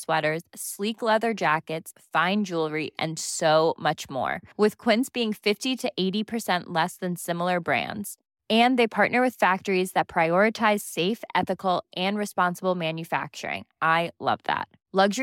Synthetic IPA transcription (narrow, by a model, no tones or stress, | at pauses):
swɛɾə˞z̥sliklɛðə˞d͡ʒækɨtsfãɪ̃nd͡ʒulˠɹiʔɨ̰̃nsoʊmʌt͡ʃmɔ̰ɹwɪð̥kʰw̥ɪ̃nsb̥iɪ̃ŋfɪftiɾɨʔeɪɾipʰə˞sɛ̃nʔlɛsðɨ̃nsɪ̃ml̩ˠə˞bɹæ̰̃ndz̥ | ɨ̃nðeɪpʰɑɹʔⁿnə˞wɨð̥fæk̚tə˞izðɨt̚pʰɹ̥aɪɔɹɨtʰaɪz̥seɪfʔɛθɨkl̩ˠʔɨ̃nɹɨspɑ̃nsəbl̩ˠmæ̃njɨfæ̰k̚t͡ʃə̰˞ɪ̰̃ŋʔaɪlʌ̰vðæ̰t̚ | lʌɡʒə